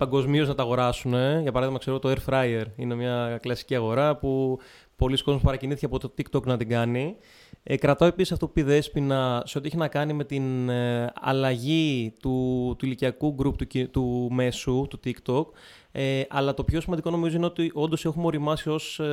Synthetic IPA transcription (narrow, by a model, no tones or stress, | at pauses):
pɐŋɡo̞zmio̞znɐt̪ɐɣo̞ɾɐsune̞ʝɐpɐɾɐðimɐkse̞ɾot̪oeɾfɾɐieɾine̞mɲɐklɐsi̥ciɐɣo̞ɾɐpu | po̞lisko̞zmospɐɾɐciniθiceɐpot̪t̪ot̪ikt̪oknɐt̪iɡɐni | kɾɐt̪oepisisɐft̪o̞pu̥iðe̞spinɐse̞oieçinɐkɐnime̞t̪in | ɐ̰lɐʝit̪ut̪uiliciɐkuɡɾupt̪ut̪ume̞sut̪ut̪ikt̪o̞k | eʔɐlɐt̪o̞pço̞simɐnd̪iko̞no̞mizo̞ine̞o̞t̪iʔo̞nd̪o̞se̞xumo̞ɾimɐsio̞s